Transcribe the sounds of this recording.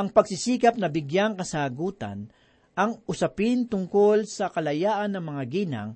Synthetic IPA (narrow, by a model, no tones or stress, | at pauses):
ʔɐŋpɐɡsɪsiːkɐp̚nɐbɪɡjaŋkɐsaːɡuːt̪a̰n | ʔɐŋʔʊsɐpɪnt̪ʊŋkolsɐkɐlɐjaːʔɐnːɐŋmɐŋaɡiːna̰ŋ